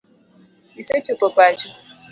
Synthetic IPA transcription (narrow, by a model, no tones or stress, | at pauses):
iset͡ʃopɔpat͡ʃu